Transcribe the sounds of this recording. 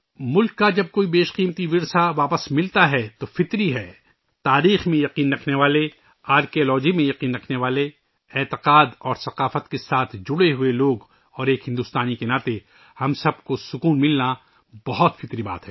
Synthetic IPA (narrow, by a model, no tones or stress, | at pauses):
mʊlkːad͡ʒɐb̚koːibeːʃqiːmt̪iʋɪɾsaʋaːpəsmɪlt̪aɦɛt̪ofɪt̪ɾiɦɛː | t̪aːɾiːxmẽjɐqiːnɾɐkʰneʋaːle | aːɾkiolɔːd͡ʒimẽjɐqiːnɾɐkʰneʋaːle | ɛːt̪ɪqaːd̪ɔːɾsɐqaːfət̪kesaːt̪ʰd͡ʒʊɽeɦʊeloːɡ | ɔːɾeːkɦɪ̃nd̪ʊst̪aːnikenaːt̪e | hɐmsɐb̚kosʊkuːnmɪlna | bɐɦɔt̪fɪt̪ɾiba̰ːt̪ɦɛː